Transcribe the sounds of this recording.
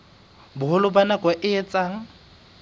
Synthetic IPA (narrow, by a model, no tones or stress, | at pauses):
bʊɦʊlʊbanakʼwaʔɪɛt͡sʼaːŋ̩